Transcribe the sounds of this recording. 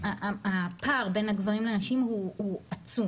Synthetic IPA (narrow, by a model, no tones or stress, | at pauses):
aapaʁbe̞nhaɡvaʁimlenaʃimhuuat͡sum